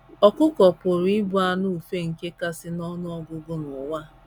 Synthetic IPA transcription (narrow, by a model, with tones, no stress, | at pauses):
ɔ˨kʊ˦kɔ˨pʊ˨ɾi˦bu˦a˦˨nʊ˦u˨fe˦ŋ̩˨ke˦ka˦sɪ˦nɔ˦nʊ˦ɔ˦ɡʊ˦ɡʊ˦nʊ˨wa˦